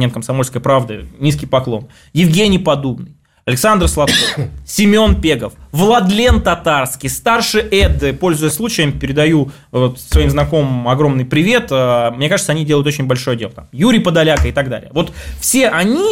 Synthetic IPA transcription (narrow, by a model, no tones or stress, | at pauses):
nʲemkəmsɐmo̞lʲskəjəpɾavd̪ɨ̰nʲiskʲɪjpɐklˠo̞̰n | jɪvɡʲenʲɪjpɐd̪ubnɨjj | ɐlʲɪksand̪r̩slˠɐt̪kofsʲɪmʲo̞npʲeɡəfvlˠɐd̪lʲe̞nt̪ɐt̪arskʲɪjst̪arʂɨʔɛd̪ːɨpo̞lʲzʊjəslˠut͡ɕɪjəmpʲɪɾʲɪd̪ɐju | vot̪svɐimznɐko̞mɨmɐɡɾo̞mnɨjpɾʲɪvʲe̞t̪əmnʲekaʐɨt̪sɐnʲidʲelˠəʊt̪o̞t͡ɕɪnʲbɐlʲʂojədʲe̞lˠət̪a̰mjuɾʲɪjpəd̪ɐlʲakəɪt̪ɐɡ̚d̪a̰lʲɪ̰jəvo̞t̪fsʲeʔɐnʲi